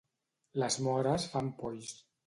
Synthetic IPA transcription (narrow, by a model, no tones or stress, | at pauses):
ləzmɔɾəsfampɔjs